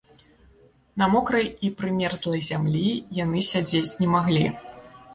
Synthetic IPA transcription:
nɐmɔkɾɐjipɾɨmʲɛrzlˠɐjzʲamlʲijanɨsʲad͡zʲet͡sʲnʲɛmaɣlʲi

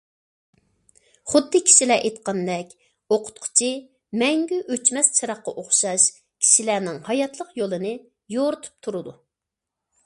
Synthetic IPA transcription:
χʊd̪ːɨkʲʰi̥ʃilɛʔet̪qɑnd̪ɛkʲ | oqʰʊ̥t̪̚qʰʊ̥t͡ʃʰi | mɛŋɡʲyʔøt͡ʃmɛst͡ʃʰɑɾɑχqːɑʔoχʃɑʃ | kʲʰi̥ʃilænɪŋhɑjɑt̪lˠəqjolˠɨnɨ | joɾɨt̪ʰu̥p̚t̪ʰuɾɨd̪u

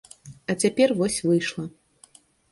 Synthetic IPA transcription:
ɐt͡sʲapʲɛrvɔsʲvɨjʂlˠɐ

